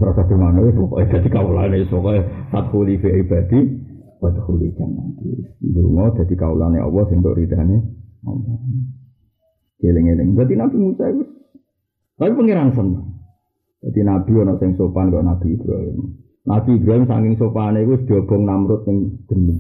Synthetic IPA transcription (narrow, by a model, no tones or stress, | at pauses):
sɾad̪̥ad̪̥imanoweɔkɔ̰id̪̥a̤d̪̥ikawulaneswɔkɔsat̪hulifeib̥a̤d̪̥i | b̥ad̪ə̥xulid̪̥anakiduŋɔd̪̥a̤d̪̥i̤kaulaneʔɔ̰wɔsɪŋd̪ʊ̰ʔɾid̪̥aneɔ̰mɔ | d̥elɪŋelɪ̰ŋd̥̪ad̪inab̥imusaikʊs | tapipəŋeɾansəna | d̪̥ad̪inab̥i̤ɔnɔʔsɪŋsopankɔɔnab̥i̤ib̥ɾa̰ɦɪm | nab̥i̤ibɾaɦɪmsa̰ŋkɪŋsopanekusd̪̥ɔb̥ɔ̤ŋnamɾʊt̪̚nɪŋd̪̥ənu